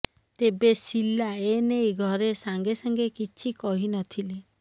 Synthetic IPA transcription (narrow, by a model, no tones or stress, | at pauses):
t̪ebesilaenejɡʱɔɾesaŋɡesaŋɡekit͡ʃʰikɔɦinɔt̪ʰili